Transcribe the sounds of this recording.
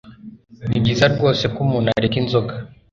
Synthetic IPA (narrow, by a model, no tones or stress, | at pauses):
niɡizaɾɡɔsɛkumuna̰ɾikinzɔka